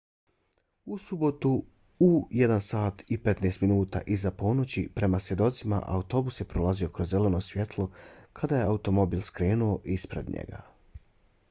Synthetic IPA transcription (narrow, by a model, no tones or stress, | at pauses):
usubo̞t̪u | ujed̪ansaːt̪ipe̞t̪neːst̪minuːt̪a̰ʔizapo̞no̞t͡ɕipɾe̞masje̞d̪o̞t̪sima̰ʔa̰ut̪o̞busje̞pɾolˠazio̞kɾo̞zːe̞leno̞sʋje̞t̪ʰlˠo̞kʰad̪aje̞aut̪o̞mo̞biːlˠskɾe̞ːnuo̞ʔispɾe̞̰d̪ɲḛɡa̰